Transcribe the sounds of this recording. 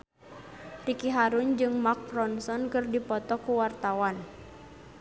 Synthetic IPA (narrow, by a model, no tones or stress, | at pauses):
rikiɦaɾund͡ʒɨŋmak̚rɔnsɔnkɨrdipɔt̪ɔkuwart̪awan